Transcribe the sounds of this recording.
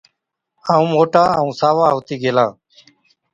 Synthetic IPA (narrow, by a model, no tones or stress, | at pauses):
aːũːmoːʈaːəũːsaːʋaːɦoːt̪iːɡʱeːlaː